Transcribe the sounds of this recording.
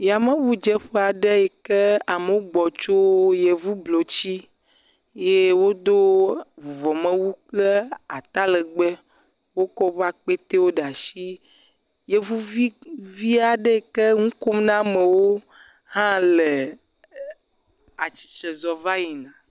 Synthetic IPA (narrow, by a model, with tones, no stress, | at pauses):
ja˨mẽ˦βu˨d͡ʒɛ˦ɸe˦a˨ɖe˦ɛ˨ke˦a˨me˨wo˦ɡ͡bɔ˨t͡ʃo˦je˨vu˦blo˨t͡ɕi˦ | je˦wo˦d̪o˦vu˨vɔ˨mẽ˦wu˦k͡ple˦a˨t̪a˦le˨ɡ͡be˦ | wo˦kɔ˦va˦k͡pe˦t̪e˦wo˦ɖa˨ʃi˦ | je˨vu˦vi˦vi˦a˨ɖe˦˨ke˦ŋũ˦ko˦mnã˦me˨wo˦ | hã˦le˨ | a˨t͡ʃi̥˨t͡ʃɛ˨zɔ˨va˦ji˨nã˨